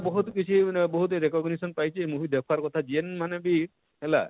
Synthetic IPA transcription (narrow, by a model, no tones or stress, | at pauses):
bɔɦut̪kit͡ʃʰibɔɦut̪ɾekɔɡnisɔnpajt͡ʃʰemuɦid̪ɛkʰwaɾkɔt̪ʰad͡ʒienmanebi | ɦela̰